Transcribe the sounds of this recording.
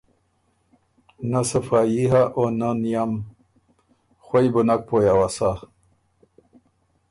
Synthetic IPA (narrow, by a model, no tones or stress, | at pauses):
nasɐfaːjiɦaʔonanijam | xwajbunak̚pojawasa